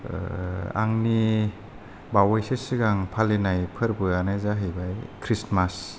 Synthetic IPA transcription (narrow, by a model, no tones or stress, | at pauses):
a̰ŋni | bawajsesɯɡaŋpʰalenajpʰɯɾbɯjanazaɦɯjbajkʰɾismas